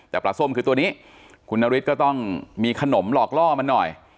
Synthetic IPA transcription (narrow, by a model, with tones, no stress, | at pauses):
t̪ɛː˨˩pla˨˩sʰu˥˩˨mkɯː˧t̪u˧əniː˦˥ | kʰu˧nːaː˧wi˦˥t̪̚kɔː˥˩t̪ɔ˥˩ŋmiː˧kʰa˧no˩˦mlɔː˨˩k̚lɔː˥˩ma˧nːɔ˨˩j